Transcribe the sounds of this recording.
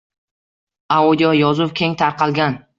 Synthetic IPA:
aud̪ʲjɔjɒzʊwkʲʰeŋt̪ʰaɾqʰɑlˠɡʲan

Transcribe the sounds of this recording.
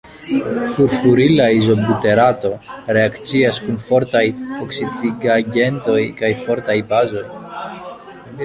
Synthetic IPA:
fuɾfuɾilaizo̞but̪e̞ɾat̪o̞ɾe̞akt͡siaskunfo̞ɾt̪ajoksid̪iɡaɟe̞nt̪o̞jkajfo̞ɾt̪ajbazo̞j

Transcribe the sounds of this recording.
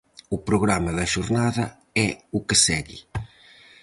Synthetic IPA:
ʊpɾʊɣɾamɐðɐʃuɾnaðɐ | ɛʊkɪsɛɣḭ

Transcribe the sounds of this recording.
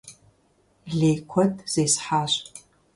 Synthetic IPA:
ɮeːkʷʰɔtʰʼz̥eːsħaːɕʼ

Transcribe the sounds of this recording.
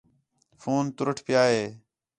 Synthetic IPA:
foːnt̪ʊɾəʈʰpɪjaːɦeː

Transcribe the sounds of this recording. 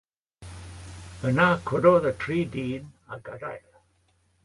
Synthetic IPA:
bənakʰʊdɔðətʰɹiːdiːnaɡada̰jl

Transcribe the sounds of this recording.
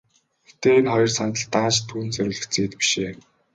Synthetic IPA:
xet̪eːenχɔjɞ̆rsant̪ə̆ɮt̪aːʃt̪ʰːuːnt͡sœɾʲʊːɮɘ̆xt͡seːt̪pi̥ʃeː

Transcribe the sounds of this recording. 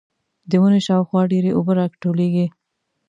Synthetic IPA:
d̪əmuneʃɑwxwɑɖeɾeʔʊbəɾɑkʈoleɡi

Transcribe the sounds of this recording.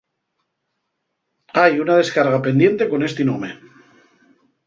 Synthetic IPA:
ajunaðe̞skaɾɣ̞apend̪je̞nt̪e̞ko̞ne̞st̪inome̞

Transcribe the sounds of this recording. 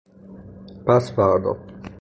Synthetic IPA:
paspad̪ɔ̰

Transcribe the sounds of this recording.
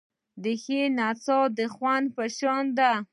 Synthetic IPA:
d̪əxenat͡sɔd̪əxwand̪pəʃɑnd̪a

